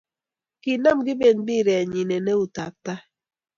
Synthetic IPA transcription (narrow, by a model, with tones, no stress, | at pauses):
ki˨na˦˨mɡi˦be˨nbi˦˨ɾɛ˨ɲi˨ne˨ne˦u˨ta˨ta˦